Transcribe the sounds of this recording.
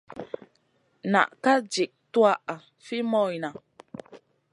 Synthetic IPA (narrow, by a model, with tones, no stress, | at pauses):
na̰˨ʔka˦d͡ʒi˨ʔ̚twa˦ʔa˨ | fi˦mɔ˦˨jna˨